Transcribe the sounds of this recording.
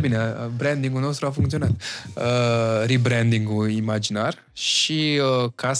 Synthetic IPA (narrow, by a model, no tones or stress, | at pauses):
bineabɾɛnd̪iŋɡulnost̪ɾuafuŋkt̪io̞nat̪əɾibɾɛnd̪iŋɡuimad͡ʒinar | ʃiəkas